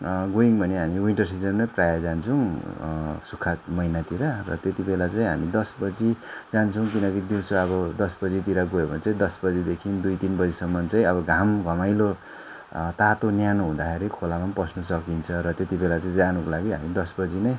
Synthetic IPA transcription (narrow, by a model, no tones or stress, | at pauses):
ɡoiŋbʱʌneɦamiwiɳʈʌrs̬id͡zʌmnʌjprajad͡zant͡sʰʌ̃ | sukʰat̪mʌjnat̪iɾarʌt̪et̪ibelat͡saĩɦamid̪ʌsbʌd͡zid͡zant͡sʰʌw̃k̬inʌk̬id̪uwsoʌbʌd̪ʌsbʌd͡zit̪iɾaɡojebʱʌnt͡saj̃d̪ʌsbʌd͡zid̪ekʰind̪ujt̪inbʌd͡zisʌmːʌnt͡saj̃ʌbʌɡʱamɡʱʌmajlo | t̪at̪onjanoɦũd̪axeɾikʰolamanpʌsnusʌkint͡sʰʌɾʌt̪et̪ibelat͡saĩd͡zanukolaɡiɦa̰mid̪ʌsbʌd͡zinʌj